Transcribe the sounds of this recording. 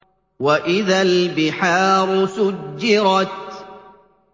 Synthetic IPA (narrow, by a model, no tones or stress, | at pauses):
waʔɪðalbɪħaːɾˤʊsʊd͡ʒːɪɾɑt̪̚